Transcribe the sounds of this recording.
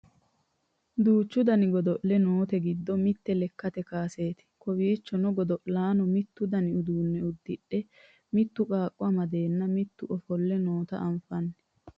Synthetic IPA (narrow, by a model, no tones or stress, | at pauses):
d̪uːt͡ʃːʊd̪ɐnɪɡɔd̪ɔʔlɛnoːt̪ɛɡɪd̪ːɔmɪt̪ːɛlɛkːɐt̪ɛkaːse̞ːt̪ɪ̥kɔwiːt͡ʃːɔnɔɡɔd̪ɔʔlaːnɔmɪt̪ːʊd̪ɐnɪʊd̪uːnːɛʊd̪ːɪɗːɛ | mɪt̪ːʊkʼaːkʼːʊɐmɐd̪e̞ːnːɐmɪt̪ːʊʔɔfɔlːɛnoːt̪ɐ̰ʔɐɱfɐnːɛ